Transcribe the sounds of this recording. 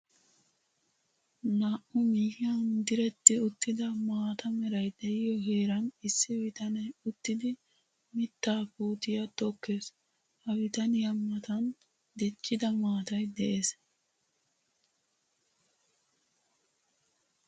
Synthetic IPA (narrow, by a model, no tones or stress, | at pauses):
naːʔʊmiːhɪjɐnd̪ɪɾɛt̪ːɪʊt̪ːɪd̪ɐmaːt̪ɐmɛɾɐjd̪ɛjɪjɔɦeːɾɐnɪsːɪwɪt̪ɐnɛʊt̪ːɪd̪ɪ | mɪt̪ːaːpuːt̪ɪjɐt̪ɔkːe̞ːs | hɐwɪt̪ɐnɪjɐmːɐt̪ɐn | d̪ɛt͡ʃːɪd̪ɐmaːt̪ɐjd̪ɛʔeːs